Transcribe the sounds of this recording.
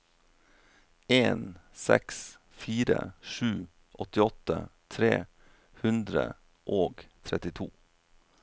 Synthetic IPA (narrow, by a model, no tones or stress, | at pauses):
eːnsɛ̰ks | fiːɾə̰ʂʉː | ʔɔt̪ɪɔt̪ːə̰t̪ʰɾḛː | hʉnd̪ɾə̰ | ʔoːɡt̪ʰɾɛt̪ɪt̪ʰṵː